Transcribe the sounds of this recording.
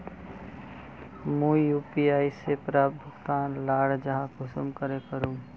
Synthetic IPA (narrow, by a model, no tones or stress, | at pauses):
mũːjuːpiaːisepɾaːbʱʊkt̪aːnlaːɽd͡ʒəɦãkʊsəmkəɾekəɾũː